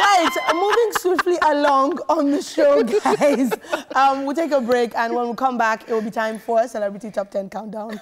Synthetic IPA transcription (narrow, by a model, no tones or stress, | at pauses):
ɹaɪtmuvɪ̃ŋswifˡliʔəlɔ̃ŋə̃nðəʃoʊɡaɪzʌ̃mwilˠteɪkəbɹeɪkʰə̃nwə̃nwilˠkʰʌ̃mbakɪt̚wɪlˠbitʰãɪ̃ɱfə˞sɛlɛbɹɨtitʰɔp̚tʰɛ̃nkʰãʊ̃ndãʊ̃n